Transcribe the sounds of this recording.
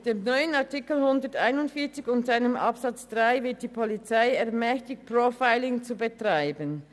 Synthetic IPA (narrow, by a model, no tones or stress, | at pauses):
d̥eːmnɔʏənɑɐtɪkl̩hʊndətaɪnʊntfiːɐt͡sɪçʊntz̥aɪnəmʔɑ̰psɑt͡sd̥ʁaɪvɪɐt̚d̥iːpʰolit͡saɪɛɐmɛçtɪç̚pʁofaɪlɪŋt͡subətʁ̥aɪbən